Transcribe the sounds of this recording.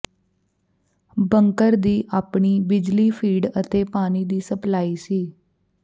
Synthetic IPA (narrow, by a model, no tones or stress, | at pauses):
bəŋkəɾd̪iːʔaːpɳiːbɪd͡ʒliːpʰiːɖət̪eːpaːniːd̪iːsəplaːiːsiː